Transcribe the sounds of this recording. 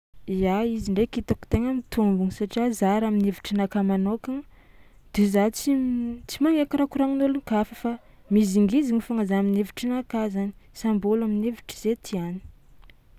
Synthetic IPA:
iaiziɳɖ͡ʐekit̪aku̥t̪eŋəmit̪umbuŋisaʈ͡ʂiazaɾaminevi̥ʈ͡ʂənakamanoka | d̪̥ezat͡sit͡simaŋekiɾakuɾaŋinuluŋkafəfa | miziŋɡiziŋifaŋazaamineviʈ͡ʂinakazani̥sambolaminevi̥ʈ͡ʂə̥z̥et̪ʰiani̥

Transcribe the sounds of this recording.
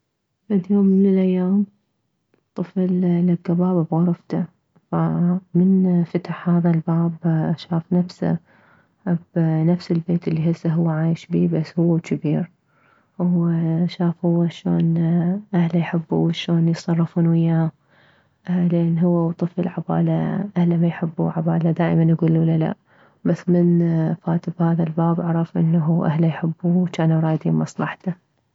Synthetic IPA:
bad̪joːmːɪnɪlʔajːaːm | t̪ˤɨflːaɡːabaːbabɣʊɾˤft̪a | famɪnfat̪aħhaːðalbaːbʔaʃaːfnafsa̰ | abnafsɪlbeːt̪ɪlːiɦɪzːaɦʊwːaʕaːjɪʃbiːbasːhʊwːakʰabiːɾ | wʃaːfhʊwːaʃoːnʔahlajħɪbːṵwʃoːnjsˤɑrˤːɨfuːnwɪjːaːm | leːnɦʊwːawt̪ˤɨfɪlʕaba̰ːlaʔahlamajħɪbːṵʕabaːlad̪aːʔmanjaɡuːlwʊlːala̰ʔ | basːmɪnfaːt̪ɪbhaːðalbaːbʕɑɾˤɑfʔɪ̰nːaɦuʔa̰hlajħɪbːuwt͡ʃaːnaɾˤɑːjd̪ḭːnmɑsˤlɑħt̪a

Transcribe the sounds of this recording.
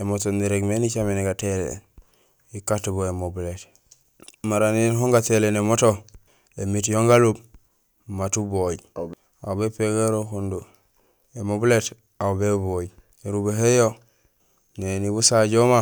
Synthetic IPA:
emotoniɾeɡmenit͡ʃameniɡatelḛ | ikatuboemobulet | maɾaninhoŋɡatelenemoto | emit̬joŋɡalub | matuboj | a̰wbepeɡeɾokundu | emobulet | aubeβoj | eɾubeɦejo | neniβusaɟoma

